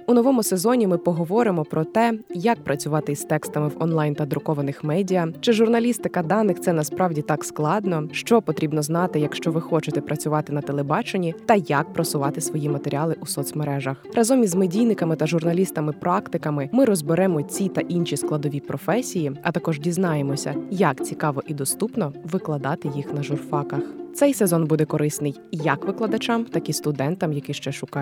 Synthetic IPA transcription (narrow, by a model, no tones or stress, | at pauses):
unɔʋɔmʊsezɔnʲimɪpɔɦɔʋɔɾɪmɔpɾɔt̪ɛjak̚pɾʔɐt͡sʲʊʋɑt̪ɪst̪ɛkst̪ɐmɪwɔ̰nlˠɑjnt̪ɐd̪ɾʊkɔʋɐnɪxmɛdʲijɐt͡ʃɪʒʊrnɐlʲist̪ɪkɐd̪ɑnɪxt̪sɛnɐspɾʔɑwdʲit̪ɑksklˠɑd̪nɔʃt͡ʃɔpɔt̪ɾʲibnɔznɑt̪ɪjɐkʃt͡ʃɔʋɪxɔt͡ʃɪt̪ɛpɾʔɐt͡sʲʊʋɑt̪ɪnɐt̪elˠebɑt͡ʃenʲit̪ɐjak̚pɾɔsʊʋɑt̪ɪsʋɔjimɐt̪eɾʲiɑlˠɪʔusɔt̪sʲmeɾɛʒɐxrʔɐzɔmʲizmɪdʲijnɪkɐmɪt̪ɐʒʊrnɐlʲist̪ɐmɪpɾʔɑkt̪ɪkɐmɪmɪɾɔzbeɾɛmɔt͡sʲit̪ɐʔinʃʲisklˠɐd̪ɔʋʲipɾɔfɛsʲijiɐt̪ɐkɔʒdʲiznɑjemɔsʲɐ̰jɐkt͡sʲikɑʋɔʔid̪ɔst̪upnɔʋɪklˠɐd̪ɑt̪ɪjixn̪ɐʒʊrfɑkɐxt̪sɛjsezɔnbud̪ɛkɔɾɪsnɪjjɐkʋɪklˠɐd̪ɐt͡ʃɑmt̪ɐkist̪ʊd̪ɛnt̪ɐmjɐkɪʃt͡ʃɛʃʊkɑ